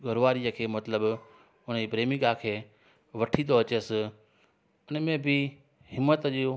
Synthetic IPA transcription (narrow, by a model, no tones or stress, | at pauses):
ɡʱəɾʋaːɾijəkʰeːmɐt̪ləb | ʊnəipɾeːmiɡaːkʰeː | ʋɐʈʰĩnd̪oɐt͡ɕəsɪ̆ | ʊnəmẽbʱɪ | hɪmːət̪ʄo